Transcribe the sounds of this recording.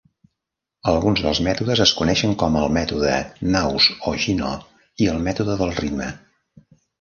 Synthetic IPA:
əlˠɣunzðəlˠzmɛt̪uðəzəskunɛʃəŋkɔməlˠmɛt̪uðə̰nawzoʒino̰ | iəlˠmɛt̪uðəðəlˠrid̪mə

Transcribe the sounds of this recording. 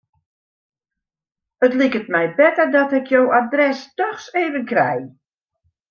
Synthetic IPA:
ətlikət̚mɛjbɛtərdɔtɪkʰjowadrɛstɔxseːvənkrɛ̰j

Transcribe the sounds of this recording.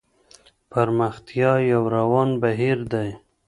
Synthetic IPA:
paɾmaxt̪jɑjawɾawɑnbaɦiɾd̪aj

